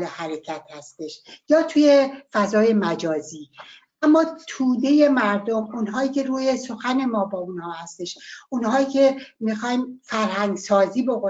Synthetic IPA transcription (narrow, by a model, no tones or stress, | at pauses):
lehæɾecʰæt̪hæst̪e̞ʃjɒːt̪ʰujefæzɒːje̞mæd͡ʒɒːziː | ʔæmːɒːt̪ʰuːd̪e̞je̞mæɾd̪o̞munɦɒːiːcʲʰe̞ɾuːje̞so̞xæne̞mɒːbɒːunhɒːhæst̪e̞ʃʔunhɒːiːcʰe̞mixɒːjimfæɾɦæŋɡsɒːziːbo̞ko